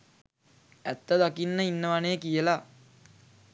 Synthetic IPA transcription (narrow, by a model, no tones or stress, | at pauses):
æt̪ːəd̪akinːəinːəʋaneːkijəla